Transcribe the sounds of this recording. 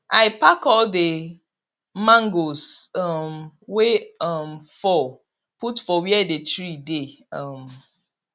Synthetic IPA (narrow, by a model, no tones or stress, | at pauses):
aɪpakɔlde | mãŋɡosʌmweʌmfɔ | putfɔwiɛdetɹide | ʌm